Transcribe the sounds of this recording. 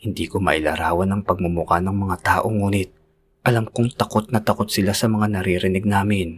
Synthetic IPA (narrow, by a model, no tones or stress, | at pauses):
hɪnd̪iːkomɐ̰ʔɪla̰ɾaːwɐnɐŋpɐɡ̚mʊmʊkanɐŋmɐŋat̪aːʔo̞ŋuːnɪt̪̚ | ʔɐlamkʊŋt̪ɐko̞t̪̚nɐt̪ɐko̞t̪̚sɪlasɐmɐŋanɐɾiɾɪnɪɡ̚naːmɪn